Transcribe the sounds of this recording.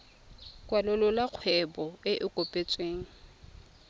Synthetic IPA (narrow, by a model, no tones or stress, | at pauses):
kʼwalʊlʊlaq͡χʰwɛbɔɪʔɪkʼopʼet͡sʼweːŋ̩